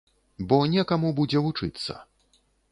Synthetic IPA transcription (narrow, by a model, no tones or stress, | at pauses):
bɔnʲɛkamubud͡zʲɛvut͡ʂɨ̰t̪sːɐ̰